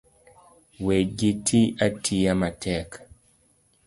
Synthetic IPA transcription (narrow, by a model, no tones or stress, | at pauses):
weɡitʰiatʰiamatʰɛk